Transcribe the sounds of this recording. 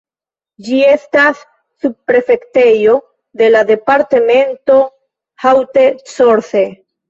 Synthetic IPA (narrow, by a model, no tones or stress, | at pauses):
d͡ʒiestasː | ub̚pɾe̞fe̞ktejo̞ | ðe̞lade̞paɾt̪eme̞nto̞ | hawt̪esoɾθe